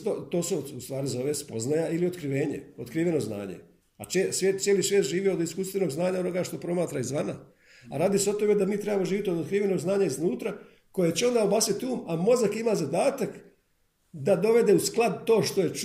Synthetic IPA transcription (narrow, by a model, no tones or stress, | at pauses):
t̪ot̪o̞ːsuust̪ʋaːɾizo̞ʋespo̞znajaʔilio̞t̪kɾiʋe̞ːɲe̞̰o̞t̪kɾiːʋe̞no̞zna̰ːɲḛ | at͡ʃesʋjeːt̪sjeːlisʋjet̪ʒiːʋiod̪iskuːst̪ʋe̞no̞ɡznaːɲao̞no̞ɡaʃt̪o̞pɾo̞maːt̪ɾaizʋana | aɾaːd̪iseo̞t̪o̞me̞d̪amiːt̪ɾe̞bamo̞ʒiːʋjit̪io̞d̪ot̪kɾiːʋe̞no̞ɡznaːɲaiznuːt̪ɾa | ko̞jet͡ɕeo̞nd̪aobaːsit̪uːmamo̞zakimazad̪aːt̪ak | d̪ad̪o̞ʋe̞d̪e̞usklˠad̪t̪o̞ːʃt̪o̞jet͡ʃ